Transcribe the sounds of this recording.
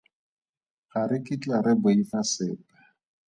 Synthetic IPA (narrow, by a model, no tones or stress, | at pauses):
ɣaɾɪkʼɪt͡ɬʼaɾɪboifasɪːpḁ